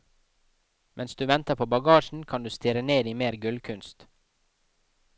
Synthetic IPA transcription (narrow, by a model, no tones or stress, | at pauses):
mʔɛnsd̪ʉːʋɛnt̪əpʰoːbɑɡɑːʃn̩kʰɑnd̪ʉːst̪ɪɾəneːd̪iːmeːɾɡʉlkʰʉnst̪